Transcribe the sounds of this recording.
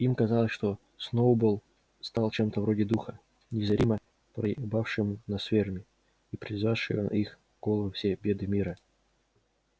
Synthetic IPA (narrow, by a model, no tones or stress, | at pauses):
imkɐzɑlˠəsʲʂt̪o | snoʊbolˠ | st̪ɑlˠt͡ɕemt̪əvɾodʲɪd̪uxə | nʲɪzɐɾʲimə | pɾəbafʂɨmnɐsvʲermʲɪ | ipɾʲɪzvaʂɨ̰jo̰n̰ix | ɡ̥olˠəvɨfsʲebʲe̞d̪ɨmʲiɾə